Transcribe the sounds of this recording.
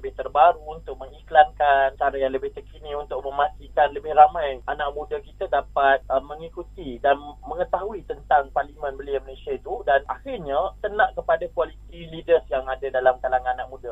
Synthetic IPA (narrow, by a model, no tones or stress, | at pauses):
ləbɪht̪ərbaɾuunt̪ʊk̚məŋiklaŋkankaɾajaŋləbɪht̪əkʰinĩunt̪ʊʔ̚mə̃mast̪ikanləbɪhramãjanaʔmũdakit̪adapat̪̚əməŋikut̪idanmə̃ŋət̪aɦuit̪ənt̪aŋparlimə̃nbəliəmənesiat̪udanahirɲat̪ənãʔkəpadakualit̪ilidəsjaŋadadalamk̪alaŋananaʔ̚mũda